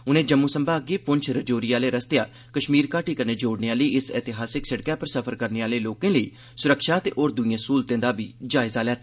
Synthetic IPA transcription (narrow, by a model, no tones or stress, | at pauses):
ʊnẽːd͡ʒəmːuːsəmbaːɡeːpʊɲt͡ʃʰɾəd͡ʒoːɾiːaːleːɾəst̪ejaː | kəʃmiːɾkaːʈiːkəneːd͡ʒoːɽneãːləiːʔɪsɛːt̪ɪɦaːsɪksəɽkɛːpəɾsəpʰəɾkəɾneːaːleːloːkẽːləḭː | sʊɾəkʃaːt̪ḛːʔoːɾd̪ʊiãːsuːlt̪ẽːd̪aːbiːd͡ʒaːɪzaːljaːt̪ʰː